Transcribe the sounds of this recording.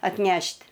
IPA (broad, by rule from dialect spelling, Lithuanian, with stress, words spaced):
ɐtʲˈnʲɛʃʲtʲ